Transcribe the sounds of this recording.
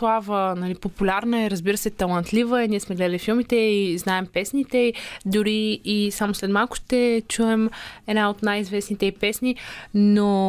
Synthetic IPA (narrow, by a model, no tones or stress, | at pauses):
slˠavənɐlipopulʲaɾnəɛɾəzbiɾəsɛt̪ɐlˠɐnt̪lʲivəɛniɛsmɛɡlɛd̪əlʲifilˠmit̪ɛiznaɛmpɛsnit̪ɛid̪ʊɾiːsamʊslɛt̪malˠkʊ̥ʃt̪ɛt͡ʃuɛmɛd̪naot̪najizvɛsnit̪ɛipɛsnino